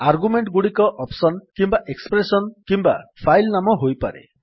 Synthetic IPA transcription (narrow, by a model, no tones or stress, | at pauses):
aɾɡumeɳʈɡuɽikɔʔɔpsɔnkimbaʔekspɾesɔnkimba̰pʰajlnamɔɦojpa̰ɾḛ